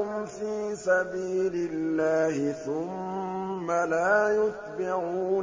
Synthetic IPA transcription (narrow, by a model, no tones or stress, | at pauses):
ʊmfiːsabiːlɪlːaːhɪθʊmː | alaːjʊt̪̚bɪʕuːn